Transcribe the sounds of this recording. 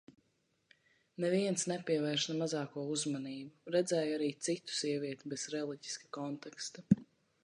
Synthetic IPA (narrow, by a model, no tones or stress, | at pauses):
nɛviɛnsnɛpʲiɛvɛɾʃnamazaːkuɔuzmaniːbuɾɛd̪zɛːjaɾiːt̪sit̪u̥sʲiɛviɛt̪ibɛz̥ɾɛlˠiɟi̥skḁkɔnt̪ɛkst̪a